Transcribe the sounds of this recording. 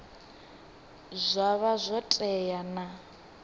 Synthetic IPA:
zʷaβazʷɔtʼɛjana

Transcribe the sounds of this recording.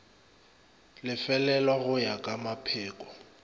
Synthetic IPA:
lɪfɛlɛlwaɣʊjakʼamapʰɛːkʼɔ̥

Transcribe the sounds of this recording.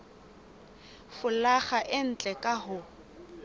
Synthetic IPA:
fʊlaχaʔɪn̩t͡ɬʼɛkʼahʊ

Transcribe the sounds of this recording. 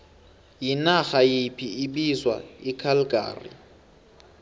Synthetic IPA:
jinaxajipʰiiɓizwa̰ikʰalɡʱʼa̰ːrḭ

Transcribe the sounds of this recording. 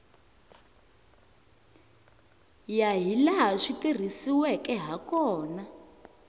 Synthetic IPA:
jaɦilaɦaʂitir̤isiwɛkɛɦakɔːna

